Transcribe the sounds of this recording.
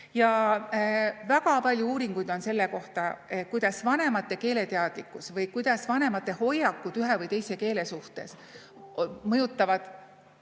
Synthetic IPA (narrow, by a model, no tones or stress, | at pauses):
jɑ | væɡ̥ɑpɑlʲjuuːɾiŋɡ̥ujd̪̥o̞nse̞lːeko̞ht̪ɑekujd̪̥ɑsvɑne̞mɑt̪ːe̞ke̞ːle̞t̪eɑd̪̥likːˑusvɤjkujd̪̥ɑsvɑne̞mɑt̪ːˑe̞ho̞jːɑkːˑut̪yɦe̞vɤjt̪e̞jse̞ke̞ːle̞suht̪e̞̰s | mɤjut̪ˑːɑvɑd̪̥